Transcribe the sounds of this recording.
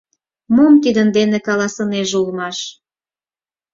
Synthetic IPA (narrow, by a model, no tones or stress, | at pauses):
momt̪id̪ənd̪enekɑlɑsəneʒulmɑʃ